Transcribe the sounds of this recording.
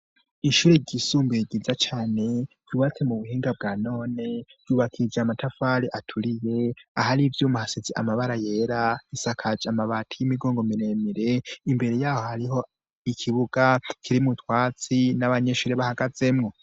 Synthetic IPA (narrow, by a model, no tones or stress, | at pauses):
iʃuːɾe̞ɟisuːmbiiɡizat͡ʃaːne̞ɟ̥juːβat͡se̞muβuhiːŋɡab̚ɡaːno̞ːne̞v̥juːβakʰid͡ʒamatʰafaɾiʔatʰuɾije̞ahaɾivjuːmuhasiziʔa̰maβaɾaje̞ːɾaβisakʰad͡ʒamaβatʰijimiɡoːŋɡo̞miɾe̞miɾe̞imbe̞ɾe̞jaːho̞haɾiho̞ | ikʰiβuɡ̥akʰiɾimutwaːt͡sinaβaɲe̞ʃuːɾeβahaɡaze̞mŋo̞